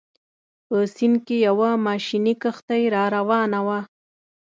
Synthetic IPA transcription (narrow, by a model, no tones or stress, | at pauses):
pəsinkejawamɑʃinikəxt̪ajɾɑɾawɑnawa